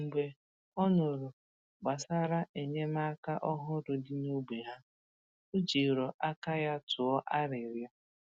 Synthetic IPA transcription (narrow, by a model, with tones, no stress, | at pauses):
m̩˨ɡ͡be˨ | ɔ˦nʊ˨ɾʊ˨ | ɡ͡ba˨sa˦ɾa˦ʔe˨ɲe˦ma˦ka˦ʔɔ˦ɦʊ˦ɾʊ˨dɪ˦no˦ɡ͡be˨ɦa˦ | o˦d͡ʒi˨ɾɔ˨ʔa˦ka˦ja˦tʰʊ˨ɔ˦ʔa˦ɾɪ˨ɾjɔ˦